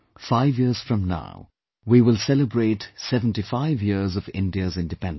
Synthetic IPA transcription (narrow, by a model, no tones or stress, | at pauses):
faɪvjiəz̥fɹʌ̃mna̰ʊ | wiwɪlˠsɛləbɹeːtsɛvə̃n̩tifaɪvjɪɹzʌvɪ̰̃ndiəzɪ̃ndɨpɛ̃nd